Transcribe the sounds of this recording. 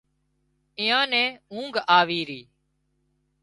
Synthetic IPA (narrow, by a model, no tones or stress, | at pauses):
ɪːãːnɛ̃ːũːŋɡaːʋiːɾiː